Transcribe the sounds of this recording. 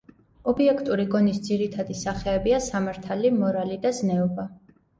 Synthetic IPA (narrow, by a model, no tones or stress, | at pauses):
ɔbiɛkʰt̪ʼuɾiɡɔnisd̪ziɾit̪ʰad̪isaχɛːbiasamaɾt̪ʰalimɔɾalid̪aznɛɔba